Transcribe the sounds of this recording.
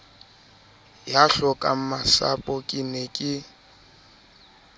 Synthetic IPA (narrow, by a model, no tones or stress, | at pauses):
jaɬɔkʼam̩masa̰pʼɔkʼɪnɛkʼɪ